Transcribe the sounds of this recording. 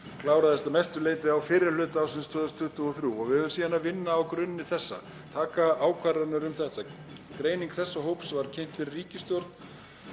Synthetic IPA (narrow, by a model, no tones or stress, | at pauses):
kʰlaːwɾaðɛst̪amɛjst̪ʏleːjt̪vɪawfɪɾɪɾ̥lʏːt̪aːwsɪnst̪ʰœːðʏst̪ʰʏht̪ʏɔθɾjuɔɣvɪhœvʏmsiːðanavɪnːaːwkɾʏnːɪθɛsːa̰ | t̪ʰaːkaaːwkʰvaɾðanʏɾʏmθɛht̪ːa | kɾeːjniŋkθɛsːaɦowpsvaɾ̥cʰejm̥t̪fɪɾɪriːcɪst̪jowɾt̪n